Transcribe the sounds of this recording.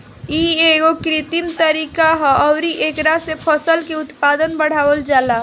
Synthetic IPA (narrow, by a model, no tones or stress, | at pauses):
ieɡokɾɪt̪imt̪əɾiːkaɦɔɔʊɾiʔeːkɾasepʰəsəlkeʊt̪paːd̪ənbəɽ̤aːwəld͡ʒaːla